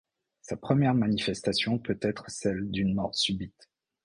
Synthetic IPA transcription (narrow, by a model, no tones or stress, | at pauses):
sapχəmjɛʁmanifɛst̪asjɔ̃pøt̪ɛt̪χsɛld̪ynmɔʁsybit̪